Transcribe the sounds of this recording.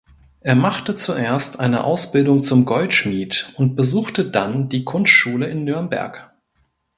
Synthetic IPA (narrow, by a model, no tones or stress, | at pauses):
ʔeːɐmaχtət͡suʔeːɐstʔa̰ɪnə̰ʔa̰ʊsb̥ɪldʊŋt͡sʊmɡɔltʃmiːtʊnt̚b̥əzuːxtədand̥iːkʰʊnstʃuːləɪnːʏɐmbɛ̰ɐk